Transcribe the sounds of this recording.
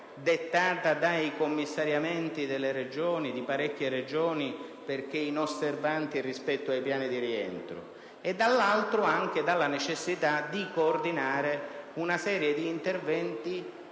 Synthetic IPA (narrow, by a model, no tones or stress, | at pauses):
d̪et̪ːaːt̪ad̪ajkomːisːaɾjamɛnt̪id̪elːeɾed͡ʒoːnid̪ipaɾɛkːjered͡ʒoːniperk̟einosːervant̪irispɛt̪ːʊajpjaːnid̪iɾiɛ̰nt̪ɾʊ̰ | ed̪ːalːalt̪ɾʊaŋk̟ed̪alːanet͡ʃesːit̪ad̪ikoːrd̪inaːɾeunasɛːɾjed̪iːnt̪ervɛnt̪i